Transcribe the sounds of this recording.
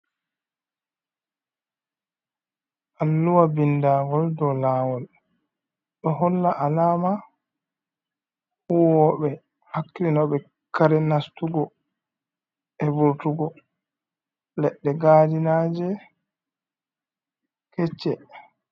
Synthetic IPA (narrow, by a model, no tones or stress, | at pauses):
ʔalːuwabindaːɡɔldɔlaːwɔl | ɗɔɦɔlːaʔalaːma | huwɔɓɛ | hakːiinɔɓɛ | kaɾɛnastuɡɔ | ɛbuɾtuɡɔ | lɛɗːɛɡaːdinad͡ʒɛ | kɛt͡ʃːɛ